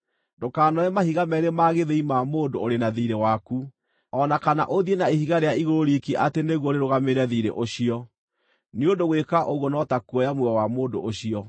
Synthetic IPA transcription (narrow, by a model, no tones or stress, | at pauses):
ndokaːnɔɛmahiɣamɛɾemaɣeðeimamoːndooɾenaðiɾewaku | ɔnakana̰ʔoðienaehiɣaɾeaiɣoɾoɾikiʔateneɣwɔɾeɾoɣameɾɛðiɾḛʔoɕiɔ | neondoɣwekaʔoɣwɔnɔtakuɔjamwɛɔwamoːndo̰ʔoɕiɔ